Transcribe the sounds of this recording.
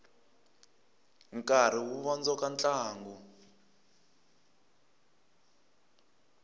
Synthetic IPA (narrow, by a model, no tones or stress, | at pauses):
ŋkʼaɾ̤iwuβɔnd͡zɔkant͡ɬʼaːŋɡu